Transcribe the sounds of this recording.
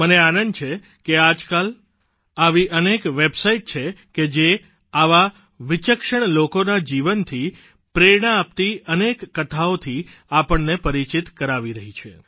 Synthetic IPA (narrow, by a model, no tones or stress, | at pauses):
məneanənt͡ʃʰe | kead͡ʒkal | aʋiʔənekʋebsaiʈ̚t͡ʃʰeked͡ʒe | aʋa | ʋit͡ʃəkʃəɳ̃lokonad͡ʒiʋənt̪ʰi | pɾeɽ̃aːp̚t̪iənekːət̪ʰaot̪ʰi | apəɳnepəɾit͡ʃit̪kəɾaʋiɾəɦit͡ʃʰḛ